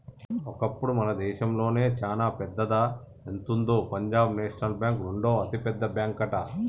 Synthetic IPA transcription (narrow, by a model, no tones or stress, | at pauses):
ɔkɐpːuɽumɐnɐd̪ɛːʃɐmlo̞ːne̞ːt͡ʃaːlaːpɛd̪ːɐd̪ɐ | ent̪und̪opɐɲd͡ʒaːbneːʂɐnɐlbʲjaːŋkɾuɳɖo̞ːɐt̪ipɛd̪ːɐbjaːŋkɐʈɐ